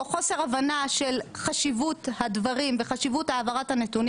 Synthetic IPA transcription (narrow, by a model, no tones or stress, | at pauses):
χo̞se̞ʁavanaʃelχaʃivuthadvaʁimveχaʃivutaːvaʁathanet̪un